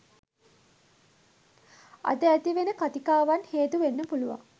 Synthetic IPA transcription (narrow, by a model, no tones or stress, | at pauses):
a̰d̪əæt̪iʋenəkat̪ikaːʋanheːt̪uʋenːəpuluʋa̰ŋ